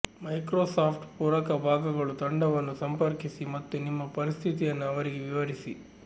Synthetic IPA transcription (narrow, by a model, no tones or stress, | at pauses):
mɐjkɾoːsaːpʰʈpuːɾɐkɐbʱaːɡɐɡɐɭut̪ɐɳɖɐʋɐnːusɐmpɐɾkisimɐt̪ːunimːɐpɐɾist̪ʰit̪̬ijɐnːuɐʋɐɾiɡeʋiʋɐɾisi